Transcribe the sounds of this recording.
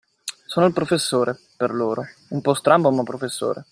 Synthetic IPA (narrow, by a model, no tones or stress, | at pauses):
soːnoilpɾofesːoːɾe | perloːɾoumpɔst̪ɾambomapːɾofesːo̰ːɾe